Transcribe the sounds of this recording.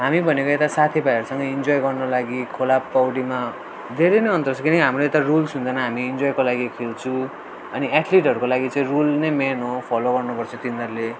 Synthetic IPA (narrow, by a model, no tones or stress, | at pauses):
ɦamibʱʌnekoet̪asat̪ʰibajʌɾusʌŋɡʌind͡zojɡʌrnolaɡikʰolapːawɽima | d̪ʱeɾeneʌnt̪ʌrsʰʌkinʌiɦamroet̪arulsund̪ʌnʌɦamiːnd͡zojkolaɡikʰelt͡sʰũ | ʌniaʈʰliʈɦʌɾukolaɡit͡sʌ̃ĩrulnemenopʰʌloɡʌrnupʌrt͡sʰʌ̃t̪inʱʌɾule